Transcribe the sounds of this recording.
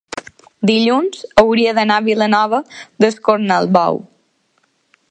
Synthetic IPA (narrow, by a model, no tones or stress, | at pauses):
d̪iʎunzəwɾiəðənaβilənɔβəðəskoɾnəlˠβɔ̰w